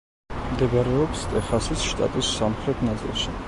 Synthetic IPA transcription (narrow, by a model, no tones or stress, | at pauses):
md̪ɛɡaɾɛɔpst̪ʼɛχasisʃt̪ʼa̰t̪ʼisːamχɾɛt̪ʰnat̪sʼḭlˠʃi